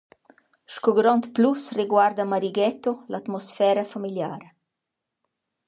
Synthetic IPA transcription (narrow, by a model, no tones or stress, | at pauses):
ʃkoɡɾɔnt̪plusreɡward̪amaɾiɡɛt̪olat̪mɔsfɛːɾafamiljaːɾ